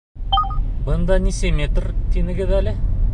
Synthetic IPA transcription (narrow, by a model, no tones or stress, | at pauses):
bɤnd̪ɑnʲisemʲet̪rt̪ʰenɘ̆ɡʲed̪ælɘ